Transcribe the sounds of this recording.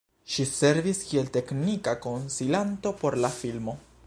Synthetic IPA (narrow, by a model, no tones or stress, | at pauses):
ʃise̞ɾviskielt̪e̞knikakonsilant̪o̞po̞ɾlafilmo̞